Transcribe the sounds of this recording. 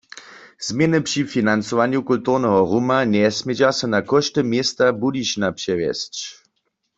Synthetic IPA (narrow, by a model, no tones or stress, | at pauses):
z̥mjɛnɨpʂifinant͡sɔʋanjukultuʁnɛɦɔʁumanɛsmjɛd͡ʑasɔnakɔʃtɛmjest̪abudiɕnapɛʋjɛ̰st͡ɕ